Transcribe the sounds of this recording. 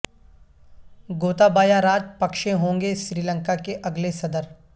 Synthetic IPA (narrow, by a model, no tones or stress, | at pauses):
ɡoːt̪abaːjaɾaːd͡ʒpɐkʃẽɦõːŋɡeʃɾiːlə̃ŋkakeʔɐɡlesɐd̪əɾ